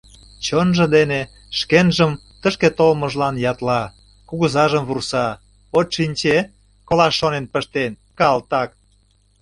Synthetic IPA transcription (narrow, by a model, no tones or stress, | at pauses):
t͡ɕonʒə̆d̪ene | ʃkenʒəm | t̪əʃket̪olmə̆ʒlɑnjɑt̪lɑ | kuɣuzɑʒəmβursɑ | oʃinʲt͡ɕe | kolɑʃːonenpəʃt̪enkɑlt̪ɑk̚